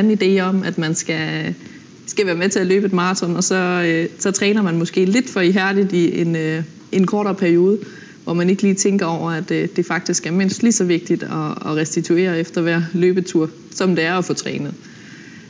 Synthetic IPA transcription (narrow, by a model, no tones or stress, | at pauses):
æn̩id̥e̝̰ːɒ̽mæd̥mænsɡ̥æ | sɡ̥æʋæːɐmet͡sʰe̝æløːb̥əe̝d̥̚mɑ̈ːʁɑt͡sʰɒ̽nɒ̽sɒ̽øsɒ̽t͡sʰʁɛːnɐmænmɔ̽sɡ̥e̝̰ːle̝d̥fɒ̽iɦæɐd̥idˠie̝nø | ʔe̝nkʰɒːɾɐpʰæɐio̝ːð̞ˠə | ʋɒmæne̝ɡ̥liːt͡sʰeŋɡ̥ɐɒʊ̰ɐæd̥d̥e̝fɑ̈ɡ̥̚d̥isɡ̥æɐme̝n̰sd̥lisɒ̽ʋe̝ɡ̥̚d̥id̥ɒːʁɛsd̥it͡sʰue̝̰ːɐefd̥ɐʋæɐ̰løːb̥ət͡sʰuɐ̰ | sɒ̽md̥e̝æɐɒ̽fɔ̽ːt͡sʰʁɛ̰ːnəð̞̩ˠ